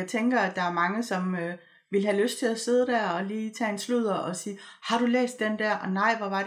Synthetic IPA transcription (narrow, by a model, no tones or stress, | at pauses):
ɪt͡sʰeŋɡ̥ɐæd̥ɑ̈æɐmɑ̈ŋəsɒ̽mø | ʋiləɦæløsd̥̚t͡sʰe̝læse̝ð̞ˠəd̥æɐ̰ɒ̽liːt͡sʰɛ̰ːensluð̰ˠɐɒ̽siːhɑ̈ɾ̥ulḛːsd̥end̥æɐ̰ʔɒ̽nɑ̈ɪ̰ʋɒʋɑ̈